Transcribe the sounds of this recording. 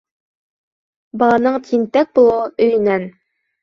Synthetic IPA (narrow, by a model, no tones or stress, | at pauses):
bɑlˠɑnɤɴt̪ʲʰint̪æk̚bulˠɤɤɵ̆jɘ̆næn